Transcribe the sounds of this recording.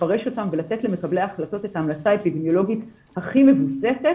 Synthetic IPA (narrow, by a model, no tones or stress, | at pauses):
aʁe̞ʃo̞tamvelate̞tle̞me̞kable̞jaaχlato̞tethaːmlat͡saepidemjo̞lo̞ɡit | haχime̞vuse̞set